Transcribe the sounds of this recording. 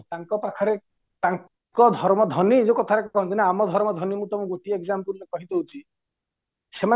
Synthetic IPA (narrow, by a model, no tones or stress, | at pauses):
taŋkɔpakʰɔɾe | ʈaŋ | kɔd̪ʱɔɾmɔd̪ʱɔnid͡ʒekɔt̪ʰaɾekkɔɦɔnt̪ʰinaamɔd̪ʱɔɾmɔd̪ʱɔnimũt̪ɔmuɡutieɡzampuɾlekɔɦit̪oɦut͡ʃʰi | sema